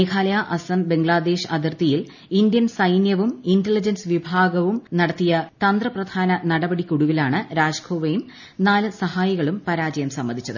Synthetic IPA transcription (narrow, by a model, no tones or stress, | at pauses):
eːkʰaːlɐjaʔɐsɐmbe̞ŋɡɭaːd̪e̞ːʂɐd̪irt̪ijil | ind̪jɐnsɐjnjɐʋumintelid͡ʑɐnsɨʋibʱaːɡɐʋumnɐɽɐt̪ːijɐt̪ɐnd̪rɐprɐd̪ʱaːnɐnɐɽɐbɐɽikʲuɽuʋilaːɳɨɾaːd͡ʑkʰoːʋejum | naːlɨsɐhaːjɐɣɐɭumpɐɾaːd͡ʑɐjɐmsɐmːɐnʱit͡ɕːɐðɨ